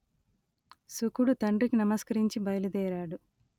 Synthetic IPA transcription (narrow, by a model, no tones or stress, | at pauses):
sukuɽut̪ɐɳɖikinɐmɐskɐɾiɲt͡ʃibɐjlud̪ɛːɾaːɽu